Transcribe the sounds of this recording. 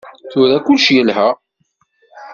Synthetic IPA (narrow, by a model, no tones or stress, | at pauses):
θʊɾækʊlʃjəlɦæ